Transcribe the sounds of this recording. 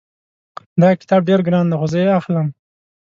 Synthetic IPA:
d̪ɑkɪ̥t̪ɑb̚ɖeɾɡɾɑnd̪exozəjeaxləm

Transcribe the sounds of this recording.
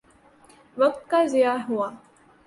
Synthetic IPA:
ʋɐk̚t̪kazijaːɦuaː

